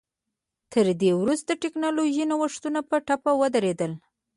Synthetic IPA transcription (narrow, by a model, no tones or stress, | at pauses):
t̪əɾd̪ewɾust̪̚d̪əʈeknɑloʒinawəʂt̪unapəʈapawəd̪aɾed̪əl